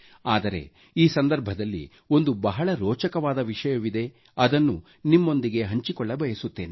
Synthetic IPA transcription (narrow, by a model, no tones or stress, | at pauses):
aːd̪ɐɾe̞̰ | iːsɐnd̪ɐɾbʱɐd̪ɐlːḭ | o̞nd̪ubɐɦɐɭɐɾɔːt͡ʃɐkɐʋaːd̪ɐʋiʂɐjɐʋid̪e̞ | ɐd̪ɐnːu | nimːo̞nd̪iɡe̞ɦɐɲt͡ʃikɔɭːɐbɐjɐsut̪ːe̞ːne